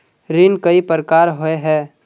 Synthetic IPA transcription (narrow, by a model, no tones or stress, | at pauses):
ɾinkəipəɾkaːɾɦoeɦɛː